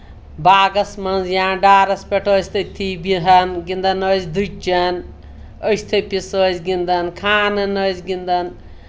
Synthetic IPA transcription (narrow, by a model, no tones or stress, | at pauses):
baːɡɐsmɐnzjãːɖaːɾɐspʲeʈʰəːsʰʲt̪ʰɐt̪ʰibiɦɐnɡind̪ɐnəːzd̪ut͡ʃɐn | əsʰt̪ʰɐjpisəːzɡind̪ɐnkʰaːnɐnəːzɡind̪ɐn